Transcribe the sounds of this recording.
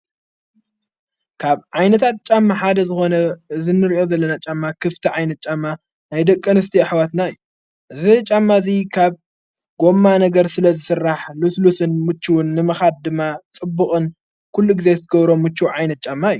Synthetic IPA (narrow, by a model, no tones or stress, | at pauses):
kʰaβʕajnɐt̪ʰat̪̚t͡ʃʼamːaħad̪ɐzɨxo̞nɐɨzinɨɾiʔo̞zɐlːɐnat͡ʃʼamːakʰɨft̪ʰiʕajnɐt̪̚t͡ʃʼamːa | najd̪ɐkʼːɨnɨst̪ʰiaħwat̪naɨjːu | ʔɨzit͡ʃʼamːazikʰaβ | ɡo̞mːanɐɡɐɾsɨlɐzɨsɨrːaħluslusɨnmɨt͡ʃːuwnːɨmɐxad̪̚d̪ɨmːat͡sʼɨbːuxʼɨn | kʰulːuɡize̞zɨt̪ʰɐɡɐβɾo̞mːɨt͡ʃːuʕajnɐt̪̚t͡ʃʼamːajːu